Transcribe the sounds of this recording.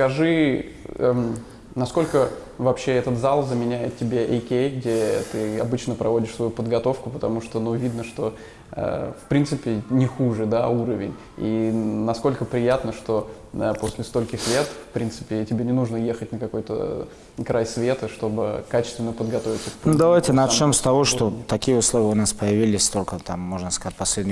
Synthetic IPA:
skɐʐɨ | nɐsko̞lʲkə | vɐpɕːe̞ɛt̪ət̪zalˠzəmʲɪnʲæjɪt̪̚tʲɪbʲeʔɐjkʲejɡdʲet̪ɨɐ̰bɨt͡ɕnəpɾɐvo̞dʲɪʂsvɐjupəd̪ɡɐt̪o̞fkʊpət̪ɐmuʂt̪onuvʲid̪nəʂt̪o̞ | ə̰fpɾʲint̪sɨpʲɪnʲɪxuʐɨd̪auɾəvʲɪ̰nʲ | inɐsko̞lʲkəpɾʲɪjat̪nəʂt̪o̞ | əpo̞sʲlʲɪst̪o̞lʲkʲɪsvʲe̞t̪fpɾʲint̪sɨ̥pʲɪtʲɪbʲenʲɪnuʐnəje̞xətʲnəkɐko̞jt̪ə̰ | kɾʔajsvʲe̞t̪əʂt̪o̞bɨkat͡ɕɪ̥st̪vʲɪnːəpəd̪ɡɐt̪o̞vʲɪt̪səkpnd̪ɐvajtʲɪnɐomst̪ɐvo̞ʂt̪ot̪ɐkʲijəʊslˠovʲɪəʊnaspəjɪvʲilʲɪsʲst̪o̞lʲkət̪amːo̞ʐnəskɐzatʲpɐsʲlʲedʲnʲɪ

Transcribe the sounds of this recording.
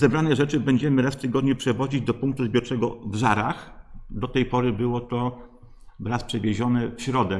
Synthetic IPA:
zɛbɾanɛʐɛt͡ʂɘbɛɲd͡ʑɛmɘɾasft̪ɘɡɔd̪ɲɛpʂɛvɔd͡ʑid͡ʑd̪ɔpuŋk̚t̪uzbʲjɔɾt͡ʂɛɡɔvʐa̰ɾaxd̪ɔt̪ɛjpɔɾɘbɘwɔt̪ɔ | vɾaspʂɛvʲjeʑɔnɛfɕɾɔd̪ɛ

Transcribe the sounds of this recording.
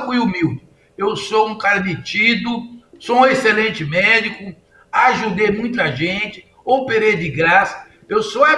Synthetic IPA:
kujumiwd͡ʒɪ | ewsoũkaɾɐmit͡ʃid̪ʊsõeselẽnt͡ʃ̪ɪmɛd͡ʒikʊ | aːʒud̪emũj̃t̪̬ʊɐʒẽnt͡ʃ̪ɪ̥ | opeɾed̪ɪɡɾasɐ̥ | ewsoa

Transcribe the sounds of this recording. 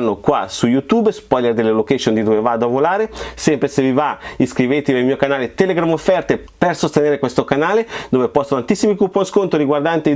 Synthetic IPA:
nːokwa̰sujut̪uːbspɔjlerd̪elːelokɛʃjond̪id̪oːvevaːd̪oavolaːɾesɛmpɾesevivaiskɾivet̪eelmiːokanaːlet̪ɛleɡɾamofːɛrt̪e | persost̪eneːɾekwest̪okanaːled̪oːvepɔst̪ont̪ant̪isːimikupːoskont̪ɾoɾiɡward̪ant̪e

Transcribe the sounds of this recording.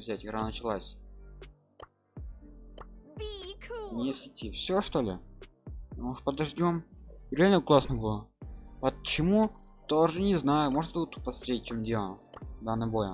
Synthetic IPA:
vzʲætʲɡɾanət͡ɕɪlˠasʲ | bikʰnʲesʲɪtʲifsʲoʂt̪o̞lʲɪ | t̪muʂt̪pəd̪ɐʐdʲomɾʲɪalʲnəklˠasnəbɨlˠəpət͡ɕɪmu | t̪oʐɨnʲɪznajʊmoʐnəbut̪̚pɐst̪ɾʲet̚ʲt͡ɕomdʲelˠəd̪anːɨjbo̞jə

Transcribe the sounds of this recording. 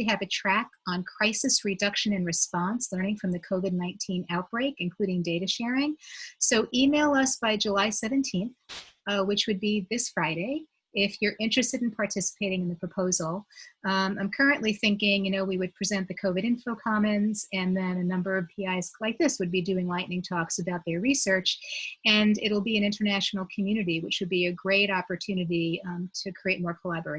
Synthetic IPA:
iɨvɨtʰɹ̥ækn̩kʰɹ̥aɪsɨsɹɨdʌkʃɨ̃nɨ̃nɹɨspɑ̃nslɜ̃˞nɪ̃ŋfɹʌ̃mðɨkʰoʊvɨdⁿnãɪ̃ntʰĩnaʊt̚b̥ɹeɪkɨ̃nkʰl̥ʉɾɪ̃ŋdeɪɾɨʃɛɹɪ̃ŋsoʊʔimeɪlˠʌsb̥aɪd͡ʒəlaɪsɛvɨ̃ntʰĩnθwɨt͡ʃwɨd̚biðɪsfɹaɪɾeɪ | ɪfjə˞ʔɪ̃nt͡ʃɹ̥ɨstɨɾn̩pʰɑɹtʰɪsə̥pʰeɪɾɪ̃ŋɨ̃nðɨpʰɹ̥ɨpʰoʊzl̩ˠ | ãɪ̃mkʰɜ˞ɨ̃nʔliθɪ̃ŋkɪ̃ŋjɨnoʊwiwɨd̚pʰɹ̥izɛ̃nðɨkʰoʊvɨɾɨ̃nfolˠkʰɑmɨ̃nz̥ɨ̃nðɨ̃nɨnʌ̃mbə˞ʌv̥pʰiaɪz̥laɪk̚ðɪswɨd̚bidʉɪ̃ŋlaɪʔnɪ̃ŋtʰɔksɨbaʊt̪̚ðə˞ɹisɜ˞t͡ʃɨ̃nɪ̰ɾl̩ˠbiɨ̃ñɪ̃ntə˞næʃn̩l̩ˠkʰm̩jʉnɨɾiwɨt͡ʃwɨd̚biɨɡɹeɪɾɑpə˞tʰʉnɨɾitʰɨkʰɹ̥ieɪt̚mɔɹkʰəlæbə˞eɪ

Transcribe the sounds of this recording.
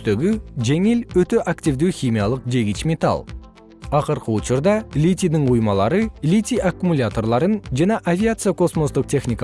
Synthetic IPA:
t̪eɡʲɪʒeŋelwɵt̪eʔakt̪ʲivd̪ewxʲimʲijalˠəqʒe̞ɡʲit͡ʃmʲe̞t̪a̰lˠ | ɑqəɾqəʊt͡ʃəɾd̪ɑlʲit̪ʲijd̪ɪɴujmɑlˠɑɾəlʲit̪ʲiʔakːumulʲat̪o̞rlˠɑɾənʒæneʔavʲijat̪sɨjakʰo̞smo̞sd̪əq̚t̪ʲʰe̞xnʲijk

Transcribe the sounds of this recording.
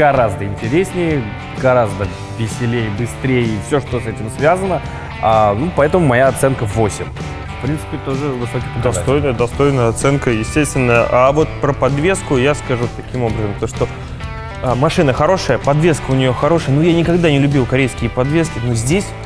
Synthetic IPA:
ɡɐɾazd̪əɪnʲtʲɪɾʲesʲnʲɪjə | ɡɐɾazd̪ə | vʲɪsʲɪlʲejəbɨst̪ɾʲejəifsʲo̞ʂt̪osɛtʲɪmsvʲazənə | anupɐɛt̪əmʊmɐjaɐt̪sɛnkəvo̞sʲɪm | fpɾʲint̪sɨ̥pʲɪt̪o̞ʐɨvɨsokʲɪpd̪ɐst̪o̞jnəjəd̪ɐst̪o̞jnəjəɐt̪sɛnkəjɪsʲtʲest̪vʲɪnːəʔavo̞t̪pɾəpɐd̪vʲe̞skʊjaskɐʐut̪ɐkʲimo̞bɾəzəmt̪oʂt̪o̞ | amɐʂɨnəxɐɾo̞ʂəjəpɐd̪vʲeskəʊnʲɪjo̞xɐɾo̞ʂəjənujanʲɪkɐɡd̪anʲɪlʲʉbʲilˠkɐɾʲejskʲɪəpɐd̪vʲe̞skʲɪnozʲdʲesʲ

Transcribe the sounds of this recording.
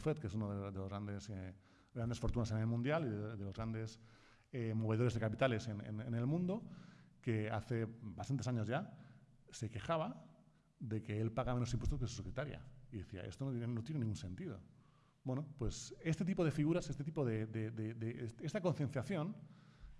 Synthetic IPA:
fet̪̚kesunoðeðe̞loɣɾand̪ese | ɾand̪esfo̞ɾt̪unasenelmũnd̪jaliðeðelo̞zɣɾand̪e̞s | emo̞β̞e̞ð̞oɾezðe̞kapit̪ale̞senḛnenelmũnd̪okea̰θe̞bast̪ant̪esaɲo̞zʝa | se̞ke̞xaβ̞a | ðe̞ke̞elpaɣameno̞simpwest̪os̬kesu̥sekɾet̪aɾja̰iðe̞θia̰ʔest̪onot̪eenot̪jenenĩŋɡunsẽ̞nt̪iðo̞̰ | bwenopwe̞sest̪et̪ipo̞ð̞e̞fiɣ̞uɾasest̪et̪̬ipoðeðed̪ed̪eest̪ako̞nθje̞nθjaθjo̞n

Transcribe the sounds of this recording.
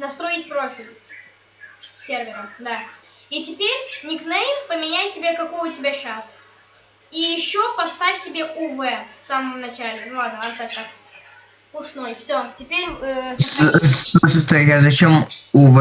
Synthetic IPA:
nɐst̪ɾo̞itʲpɾo̞fʲɪlʲ | sʲe̞rvʲɪɾəd̪a | itʲɪpʲeɾʲnʲɪknɛjpəmʲɪnʲæjsʲɪbʲe̞kɐko̞jʊtʲɪbʲaɕas | ijɪɕːopɐst̪afʲsʲɪbʲe̞ʔʊvɛfsaməmnɐt͡ɕælʲɪnʊlˠad̪nəɐst̪afʲt̪ak̚ | pʊʂno̞jfsʲotʲɪpʲeɾʲə | səst̪ɐjazɐt͡ɕemuv

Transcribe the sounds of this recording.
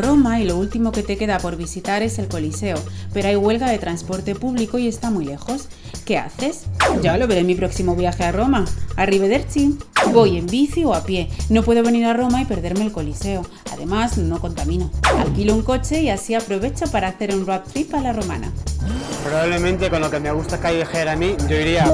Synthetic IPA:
ro̞mailo̞ult̪imo̞ke̞t̪e̞ke̞ðapo̞ɾβisit̪aɾe̞se̞lko̞lise̞o̞pe̞ɾoajɣwe̞lɣaðe̞t̪ɾanspo̞ɾt̪e̞puβliko̞ie̞st̪amujle̞xo̞s | ke̞a̰θe̞sɟ͡ʝalo̞βeɾe̞mipɾo̞ksimo̞β̞jaxearo̞maariβeðe̞ɾt͡ʃibo̞je̞mbiθio̞apje̞no̞pwe̞ð̞o̞βe̞niɾaro̞maipe̞ɾð̞e̞ɾme̞ːlko̞lise̞o̞ | a̰ðe̞mazno̞ko̞nt̪amĩno̞a̰lkilouŋko̞t͡ʃe̞iasiapɾo̞β̞e̞t͡ʃopaɾaːθe̞ɾunrapt̪ɾipalaro̞ma̰na̰pɾoβaβle̞mẽnt̪e̞ko̞nlo̞ke̞meɣust̪akajβexeɾamiʝo̞iɾia

